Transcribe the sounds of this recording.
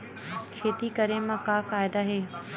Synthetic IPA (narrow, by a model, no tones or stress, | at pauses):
kʰeːt̪ikɐɾemãkaːfaːɪd̪aːɦeː